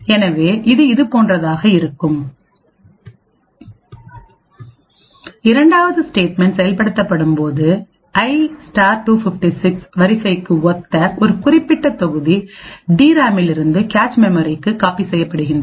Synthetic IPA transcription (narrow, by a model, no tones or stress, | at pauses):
ɛnɐʋeːʔɪðɯɪðɯpoːndrɐðaːɣɐɪɾɯkːɯm | ɪɾɐɳɖaːʋɐðɯsʈeːʈ̚mɛɳɖsɛjɐlpɐɽɯt̪ːɐpːɐɽɯmpoːðɯ | ɐɪsʈaːɾʈuːfɪfʈisɪksʋɐɾɪsɐɪkːɯɔt̪ːɐʔɔɾɯkʊrɪpːɪʈːɐt̪ːɔɣɯðiɖiːɾaːmɪlɪɾɯnd̪ɯkaːt͡ʃmɛmɐɾɪkːɯkːaːpisɛjːɐpːɐɽɯɣɪnd̪rɐ